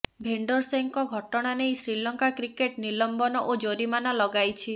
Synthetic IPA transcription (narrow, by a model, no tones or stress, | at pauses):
bʱeɳɖɔɾseŋkɔɡʱɔʈɔɽ̃anejsɾilɔŋkakɾikeʈnilɔmbɔnɔʔod͡ʒoɾimanɔlɔɡajt͡ʃʰi